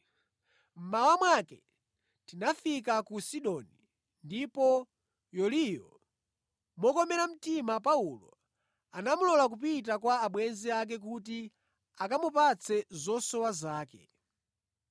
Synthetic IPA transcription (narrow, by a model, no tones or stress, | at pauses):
m̩mawamwakɛ | tinafik̬akusiɗɔni | ndipɔ | jɔlijɔ̰ | mɔkɔmɛɾam̩timapaulɔ̰ | anamulɔlak̬up̬itakwaːɓwɛnziak̬ɛk̬ut̬i | akamupat͡sʰɛzɔsɔwazaːkɛ̰